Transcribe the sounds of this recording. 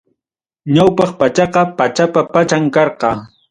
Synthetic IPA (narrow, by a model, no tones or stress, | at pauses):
ɲawpɑχpat͡ʃɑqɑpat͡ʃapapat͡ʃaŋkɑɾqɑ